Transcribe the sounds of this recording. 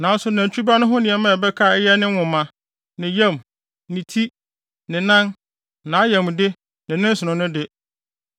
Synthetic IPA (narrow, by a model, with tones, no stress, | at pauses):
nã˨˦n˦sʊ˦nã˨ɲt͡ɕʰᶣu˦ba˦nʊ̃˦ɦʊ̃˦nɪ̃˨ɛ˨mã˦˨bɛ˦kʰa˦˨ɛ˦jɛ˦nɪ̃˦wʊ̃˨mã˦ | nɪ̃˨jɛ̃˦˨m | nɪ̃˨tʰi˦ | nɪ̃˨nã˦n | nãː˨˦jɛ̃˨m˨dɪ˦ | nɪ̃˨nɪ̃˦n̩˦sʊ˨nʊ̃˨nʊ̃˦dɪ˦